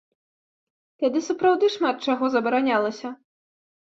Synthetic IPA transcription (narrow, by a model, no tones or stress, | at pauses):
t̪ad̪ɨsɐpɾawd̪ɨʂmat̪̚t͡ʂaɣɔzɐbɐɾanʲalˠɐsʲɐ